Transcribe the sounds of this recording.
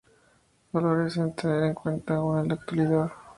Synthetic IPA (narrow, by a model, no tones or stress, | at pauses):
baloɾesent̪eneɾeŋkwe̞nt̪aɣonelak̚t̪waliðað